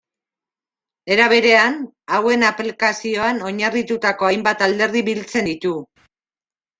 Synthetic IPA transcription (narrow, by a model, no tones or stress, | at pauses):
e̞ɾaβ̞e̞ɾe̞an | awe̞naplikasio̞ano̞ɲarit̪ut̪ako̞ajmbat̪ald̪e̞ɾðiβilt͡se̞nd̪it̪u